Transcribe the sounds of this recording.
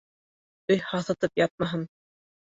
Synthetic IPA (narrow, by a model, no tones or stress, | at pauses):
ɵjhɑθɤ̆t̪ɤpjɑt̪̚mɑɦɤn